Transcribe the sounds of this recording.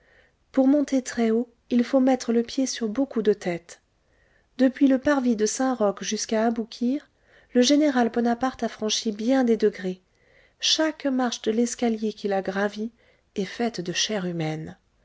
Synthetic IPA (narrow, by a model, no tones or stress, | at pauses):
puʁmɔ̃t̪et̪χɛo | ilfomɛt̪χələpjesyʁbokud̪ət̪ɛt̪ | d̪̥əpɥiləpaʁvid̪əsɛ̃ʁɔkʒyskaːbukʲʰiʁ | ləʒeneʁalbɔnapaʁt̪afχɑ̃ʃibjɛ̃d̪ed̪əɡʁe | ʃakmaʁʃd̪əlɛskaljekʲilaɡʁavi | ɛfɛt̪d̪əʃɛʁymɛn